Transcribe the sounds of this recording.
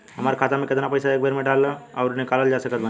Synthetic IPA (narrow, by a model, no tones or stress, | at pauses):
ɦəməɾkʰat̪amẽket̪napəjsaek̚beɾmeɖalːəaʊɾnikaləld͡ʒasəkət̪̚bən